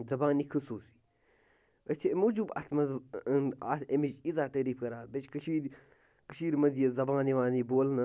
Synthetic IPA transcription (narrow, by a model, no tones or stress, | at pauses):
zɐbaːnikʰɐsuːsi̥ | ət͡ʃ̪ʰemuːd͡ʒubɐ̰t̪ʰmɐz | aːt̪emid͡ʒizaːt̪əːɾiːfkɐɾaːbet͡ʃkɐʃiːɾ | kəʃiːɾmɐd̪jɐzɐbaːniʋaːniboːlnɐ